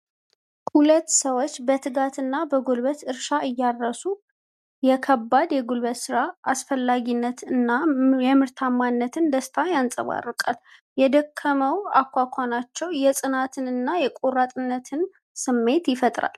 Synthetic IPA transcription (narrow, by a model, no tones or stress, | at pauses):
khulət̪ːsəwot͡ʃːbət̪ʰɨɡat̪ʰɨnːabəɡolbət̪ɨɾʃaʔɨjːarːəsu | jɛkʰəbːad̪jɛɡolβət̪sɨɾaasfəlːaɡinːət̪nːaɛmɨɾt̪ʰamːanːət̪ʰɨnd̪əst̪ʰajansʼə̰βa̰rːɨkʼaljɛd̪əkʰːəməwakʷːakʷʰanat͡ʃːɛwjɛsʼɨnat̪ʰɨnɨnːajɛkʼorat̪ʼɨnːət̪ʰɨn | sɨmːe̞t̪jɪfət̪ʼɾa̰l